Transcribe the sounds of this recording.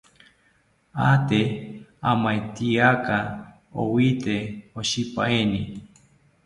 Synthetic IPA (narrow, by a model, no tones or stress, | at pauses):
at̪eamãet̪iaka | o̰wit̪eoɕipa̰eni